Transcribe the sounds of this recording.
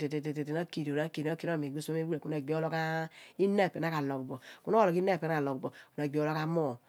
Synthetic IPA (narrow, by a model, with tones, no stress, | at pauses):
te˨te˨te˨te˨te˨na˦ki˨ɾo˨ɾa˨˦ki˨ɾa˦ki˦ɾo˦˨me˨ɡ͡bo˦sme˦wu˦e˨ku˦na˨ɡ͡bi˦o˦lo˦ka˦i˦ne˦˨pe˨n˦a˦ka˨lo˨bu˨bɔ˨ku˦no˦o˦lo˨ki˦ne˦˨pe˨a˦a˨lo˨bu˨bo˨ku˨na˨ɡ͡bi˨˦o˦lo˦ka˦mo˦˨